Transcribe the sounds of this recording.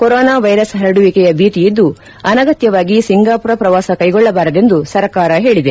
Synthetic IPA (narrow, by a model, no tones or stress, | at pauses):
koɾɔːnaːʋɐjɾɐsɦɐɾɐɽuʋikɛjɐbʱiːʈijid̪ːu | ɐnɐɡɐt̪jɐʋaːɡisiŋɡaːpuɾɐpɾɐʋaːsɐkɐjɡɔɭːɐbaːɾɐd̪e̞nd̪usɐɾkaːɾɐɦe̞ːɭid̪e̞